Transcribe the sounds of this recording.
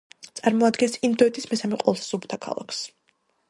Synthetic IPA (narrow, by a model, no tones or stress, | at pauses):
t̪sʼaɾmɔad̪ɡɛnsind̪ɔɛt̪ʰismɛsamɛqʼɔlˠsz̥ubu̥t̪ʰakʰa̰lˠa̰kʰs